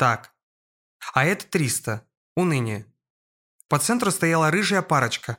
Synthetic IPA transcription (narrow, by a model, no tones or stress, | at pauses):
t̪ak | ɐɛt̪ə̥t̪ɾʲist̪ə | ʊnɨnʲɪ | pɐt̪sɛnt̪ɾʊst̪ɐjalˠəɾɨʐɨjəpaɾət͡ɕkə